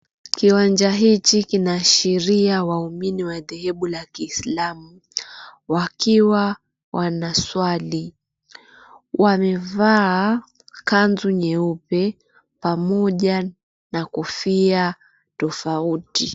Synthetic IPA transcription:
kiwand͡ʒaɦit͡ʃikinaʃiɾiawauminiwaðɛhɛɓulakiːslamu | wakiwa | wanaswali | wamɛvaː | kanzuɲɛupɛ | pamɔʄa | nakufia | tɔfauti

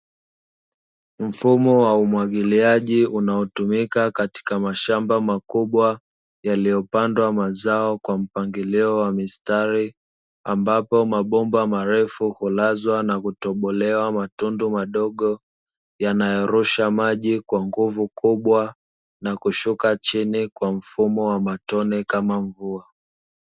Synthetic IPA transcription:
m̩fumɔwaumwaɠiliaʄiunaɔtumikakati̥kamaʃambamakuɓwa | jalijɔpandwamazaɔkwam̩paŋɡiliɔwamistaɾi | ambapɔmaɓɔmbamaɾɛfuhulazwanakutɔɓɔlɛwamatundumaɗɔɠɔ | janajɔɾuʃamaʄikwaŋɡuvukuɓwa | nakuʃukat͡ʃinikwam̩fumɔwamatɔnɛkamaɱvua

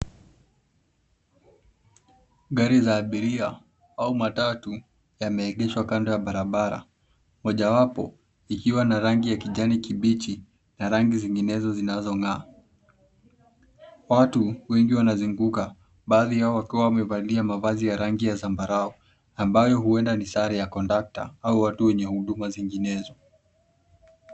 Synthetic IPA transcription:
ɡaɾizaːɓiɾia | aumatatu | jamɛːɠɛʃwakandɔjaɓaɾaɓaɾa̰ | mɔʄawapɔ̰ | ikiwanaɾaŋɡijakiʄanikiɓit͡ʃi | naɾaŋɡiziŋɡinɛzɔzinazɔŋaː | watuwɛŋɡiwanazuŋɡuka | ɓaːðihaɔwakiwawamɛvailiamavazijaɾaŋɡijazambaɾaɔ | ambajɔɦuɛndanisaɾijakɔndak̚ta̰auwatuwɛɲɛhuɗumaziŋɡinɛzɔ

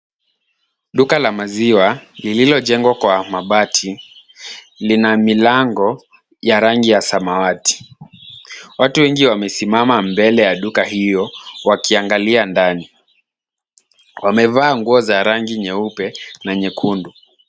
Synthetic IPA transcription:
ɗukalamaziwalililɔʄɛŋɡwakwamaɓatʰi | linamilaŋɡɔ | jaɾaŋɡijasamawati̥ | watuwɛŋɡiwamɛsimamambɛlɛjaɗukaɦijɔwakiaŋɡaliandani | wamɛvaːŋɡuɔzaɾaŋɡiɲɛupɛnaɲɛkʰundu

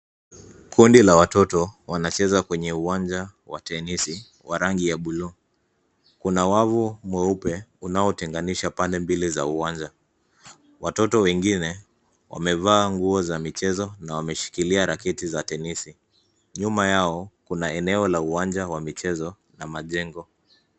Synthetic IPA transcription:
kʰundilawatɔtɔwanat͡ʃɛzakwɛɲɛuand͡ʒawa̰tɛnisi | waɾaŋɡijaɓulu | kunawavumwɛupɛunaɔtɛŋɡaniʃapandɛmbiliza̰uaɲd͡ʒa | watɔtɔwɛŋɡinɛ | wʔa̰mɛvaːŋɡuɔzamit͡ʃɛzɔnawamɛʃi̥kiliaɾakɛtizatɛnisi | ɲumajaɔkunaɛnɛɔlauwand͡ʒawamit͡ʃɛzɔ | namaʄɛŋɡɔ

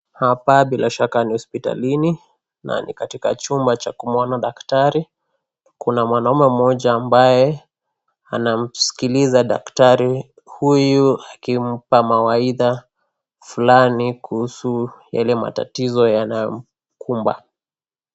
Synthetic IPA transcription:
hapaɓilaʃakanihɔspita̰lini | na̰nḭkatika̰t͡ʃumbat͡ʃakumwɔnaɗaktaɾi | kunamwanaumɛm̩ɔʄaːmbajɛ | anam̩si̥kilizaɗa̰ktaɾi | hujuakim̩pamawaiða | fulanikuhusujalɛma̰ta̰tizɔjanajɔm̩ | kʰumba̰

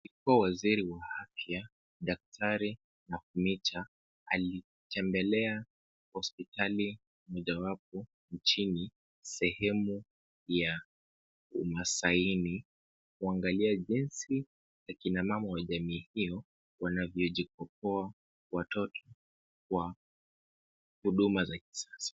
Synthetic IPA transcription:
likuawaziɾiwaafja | ɗak̚tʰaɾi | nafumitʰa | a̰li | tʰɛmbɛlɛa | hɔspitali | mɔʄawap̚ɔ | nt͡ʃini | sɛhɛmu | ja | umasaini | kuaŋɡaliaʄinsi | zakinamamawaʄamiːhiɔ | wanavjɔʄik̚ɔp̚ɔa | watɔtʰɔ | kwa | huɗumazak̚i̥sasḁ

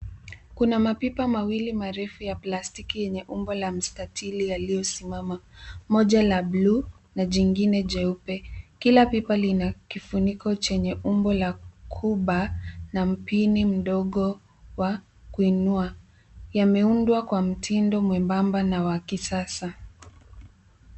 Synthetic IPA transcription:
kunamapipamawilimaɾɛfujaplastikijɛɲɛʔumbɔlam̩statʰilijalijɔsimamamɔʄalablu | naʄiŋɡinɛʄɛupɛkilapipalinakifunikɔt͡ʃɛɲɛʔumbɔlakʰuɓanam̩pinim̩ɗɔɠɔ | wa | kuinua | jamɛundwakwam̩tʰindɔmwɛmbambanawakisasa

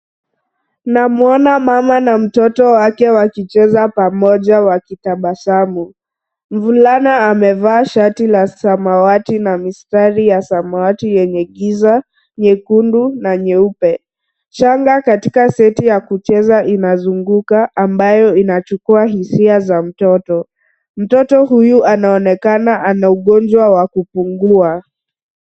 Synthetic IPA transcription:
namuɔnamamanam̩tɔtɔwakɛwakit͡ʃɛzapamɔʄawakitaɓasamu | ɱvulanaːmɛvaːʃatilasamawatinamistaɾijasamawatijɛɲɛɠiza | ɲɛkundunaɲɛupɛ | ʃaŋɡakatikasɛtijakut͡ʃɛzaʔinazuŋɡukaʔːmbajɔinat͡ʃukuahisiazam̩tɔtɔ | m̩tɔtɔhujuʔanaɔnɛkanaʔanauɠɔnd͡ʒwawakupuŋɡua

